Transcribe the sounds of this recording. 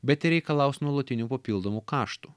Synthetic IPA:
bʲɛt̪ɪɾʲɛɪkɐlˠɐˑʊsnuɔlˠot̪ʲɪnʲuːpɐpʲiːlˠd̪oːmuːkɑːʃt̪uː

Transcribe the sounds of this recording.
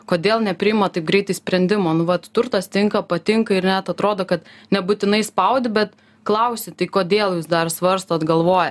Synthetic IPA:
koːd̪ʲeːlˠnʲɛpʲɾʲɪjɪmɐt̪ɐɪp̚ɡɾʲɛɪt̪ɐɪsʲpʲɾʲɛnʲd̪ʲɪmoːnʊʋɐtt̪ʊrt̪ɐst̪ʲɪŋkɐpɐt̪ʲɪŋkɐɪɾnʲɛt̪ɐt̪ɾoːd̪oːkɐt̪nʲɛbʊt̪ʲɪnɐɪspɐʊd̪ʲɪbʲɛt̪ | klˠɐʊsʲɪt̪ɐɪkoːd̪ʲeːlˠjuːsd̪ɐrsʋɐɾst̪oːd̪ɡɐlˠʋoːjɛ

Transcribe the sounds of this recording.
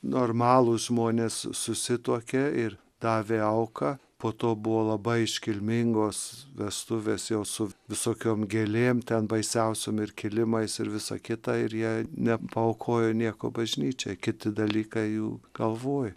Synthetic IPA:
noːrmɑːlˠʊsʒmoːnʲeːssʊsʲɪt̪uɔkʲeːɪr | d̪ɑːʋʲeːɐʊkɐpoːt̪oːbʊʋoːlˠɐbɐɪɪʃʲkʲɪlʲmʲɪŋɡoːsʋʲɛst̪ʊʋʲeːsjɛʊsʊʋʲɪsoːkʲoːmɡʲeːlʲeːmt̪ʲɛnbɐɪsʲɛʊsʲoːmɪrkʲɪlʲɪmɐɪsɪɾʋʲɪsɐ̰kʲɪt̪ɐɪɾjiɛnʲɛpɐɐʊkʰoːjonʲiɛko̰ːbɐʒʲnʲiːt͡ʃʲɛɪkʲɪt̪ʲɪd̪ɐlʲiːkɐɪjuːɡ̥ɐlˠʋoːj

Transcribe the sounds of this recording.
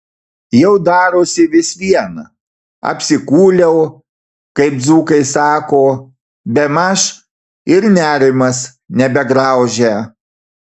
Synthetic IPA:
jɛʊd̪ɑːɾoːsʲɪʋʲɪsʋʲiɛnɐ | ɐ̰pʲsʲɪkuːlʲɛʊ | kɐɪp̚d̪zuːkɐɪsɑːkoː | bʲɛmɐʃ | ɪɾnʲæːɾʲɪmɐs | nʲɛbʲɛɡɾɑˑʊʒʲæ

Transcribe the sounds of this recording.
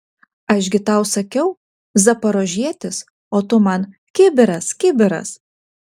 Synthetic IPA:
ɐʃʲɡʲɪt̪ɐˑʊsɐkʲɛʊ | zɐpɐɾoːʒʲiɛt̪ʲɪs | oːt̪ʊmɐn | kʲɪbʲɪɾɐskʲɪbʲɪɾɐ̰s

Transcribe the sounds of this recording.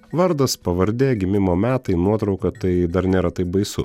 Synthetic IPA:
ʋɐɾd̪ɐspɐʋɐɾʲd̪ʲeːɡʲɪmʲɪmoːmʲæːt̪ɐɪnuɔt̪ɾɒʊkɐt̪ɐɪd̪ɐɾnʲeːɾɐt̪ɐɪbɐɪsʊ̰

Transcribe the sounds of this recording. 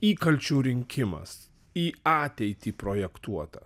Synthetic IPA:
iːkɐlʲt͡ʃʲuːɾʲɪŋʲkʲɪmɐ̰s | iːɑːt̪ʲɛɪt̪ʲiːpɾoːjɛkt̪uɔt̪ɐ

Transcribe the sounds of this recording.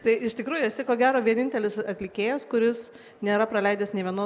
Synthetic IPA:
t̪ɐɪɪʃʲt̪ʲɪkɾuːjʊɛsʲɛkoːɡʲæːɾoːʋʲiɛnʲɪnʲt̪ʲɛlʲɪsɐt̪ʲlʲɪkʲeːjɛskʊɾʲɪs | nʲeːɾɐpɾɐlʲɛɪd̪ʲɛsnʲɛʋʲiɛnoː

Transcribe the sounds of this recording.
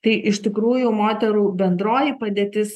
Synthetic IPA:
t̪ɐɪʔɪʃʲt̪ʲɪkɾuːjʊmoːt̪ʲɛɾuːbʲɛnd̪ɾoːjipɐd̪ʲeːt̪ʲɪs

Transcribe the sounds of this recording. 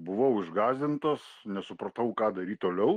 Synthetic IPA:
bʊʋɐʊɪʒɡɑːzʲɪnt̪osnʲɛsʊpɾɐt̪ɐʊkɑːd̪ɐɾʲiːt̪oːlʲɛʊ

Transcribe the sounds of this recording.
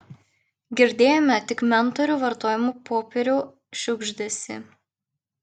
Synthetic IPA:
ɡʲɪɾʲd̪ʲeːjomʲɛt̪ʲɪkmʲɛnt̪ɔɾʲuːʋɐɾt̪oːjʲɪmuːpoːpʲɛɾʲuː | ʃʲʊɡʒʲd̪ʲesʲɪ̰

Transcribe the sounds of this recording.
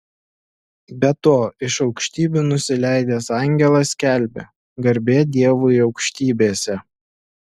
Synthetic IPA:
bʲɛt̪oːɪʃɒʊkʃʲt̪ʲiːbʲuːnʊsʲɪlʲæɪd̪ʲeːsɑˑŋʲɡʲɛlˠɐsʲkʲæˑlʲbʲḛ | ɡɐɾʲbʲeːd̪ʲiɛʋʊɪɒʊkʃʲt̪ʲiːbʲeːsʲɛ

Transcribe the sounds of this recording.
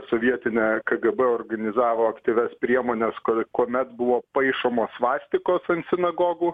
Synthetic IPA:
soʋʲiɛt̪ʲɪnʲɛkɐɡɛbɛɔːrɡɐnʲɪzɑːʋoːɐkt̪ʲiʋʲɛspʲɾʲiɛmoːnʲɛskɐkuɔmʲɛt̪bʊʋoːpɐɪʃoːmoːsʋɑːsʲt̪ʲɪkoːsɐnt̪sʲɪnɐɡoːɡuː

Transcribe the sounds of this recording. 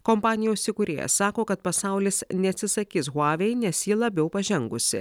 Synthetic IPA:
kɔmpɑːnʲɪjoʊsːʲɪkuɾʲḛːjɛ̰sɑːkoːkɐt̪̚pɐsɑˑʊlʲɪsnʲɛɐt̪ʲsʲɪsɐkʲiːs̬ɣɑːʋʲɛɪnʲɛsjiːlˠɐbʲɛʊpɐʒʲɛŋɡʊsʲɪ̰

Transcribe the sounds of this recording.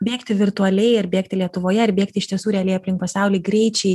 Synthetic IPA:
bʲeːkt̪ʲɪʋʲɪrt̪ʊɐlʲɛɪɪɾbʲeːkt̪ʲɪlʲiɛt̪ʊʋoːjɛɪɾbʲeːkt̪ʲɪʃt̪ʲiɛsuːɾʲɛɐlʲɛɪɐpʲlʲɪŋkpɐsʲɑˑʊlʲɛɪɡɾʲɛɪt͡ʃʲɛɪ

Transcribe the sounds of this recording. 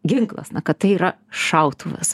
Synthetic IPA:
ɡʲɪŋklˠɐ̰snɐkɐt̪̚t̪ɐɪiːɾɐʃɐʊt̪ʰuːʋʲɪ̰s

